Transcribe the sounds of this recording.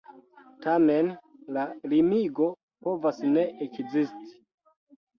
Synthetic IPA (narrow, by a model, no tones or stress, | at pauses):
tame̞nlalimiɡo̞ | po̞vasne̞ʔekzisti̥